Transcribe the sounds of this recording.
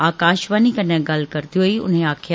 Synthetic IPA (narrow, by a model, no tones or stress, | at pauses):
aːkaːʃʋanikɐnãɡɐlkɐɾt̪ioiʊ̰nɦẽaːkʰj